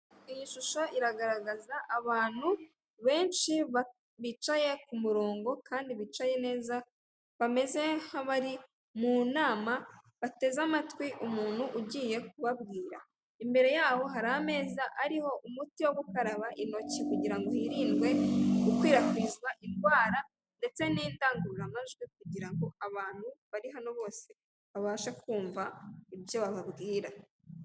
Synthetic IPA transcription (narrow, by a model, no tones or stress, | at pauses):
ijiʃuʃoʔiɾaɡaɾaɡazaʔaβaːn̥u | βe̞ːnʃiβa | βit͡ʃaje̞kumuɾo̞ːŋɡo̞kʰaːndiβit͡ʃaje̞ne̞ːza | βame̞ze̞haβaɾi | munaːma | βate̞zamatwiʔumuːn̥huʔuɟiːje̞k̚uβaβɡiːɾa | imbe̞ɾe̞jaːho̞ɦaɾaame̞ːzaʔaɾiho̞ʔumutiwoɡukaɾaβaʔino̞cikuɟiɾaŋɡoiɾiːndɡwe̞ukwiːɾakwiːzɡwaʔinɡwaːɾa | nde̞t͡se̞niːndaːŋɡuɾuɾamazɡwek̚uɟiɾaŋɡo̞aβaːn̥huβaɾiɦano̞βo̞ːse | βaβaːʃakuːɱvaibjo̞βaβaβɡiːɾa